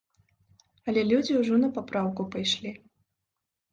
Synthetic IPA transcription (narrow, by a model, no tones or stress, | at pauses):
ɐlʲɛlʲud͡zʲiwʐɔnɐpapɾawkupajʂlʲi